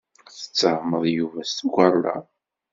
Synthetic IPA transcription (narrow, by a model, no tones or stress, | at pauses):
θə̥t͡sːəhməðˤjuvæst̪ɡʷɑɾˤlɑ̰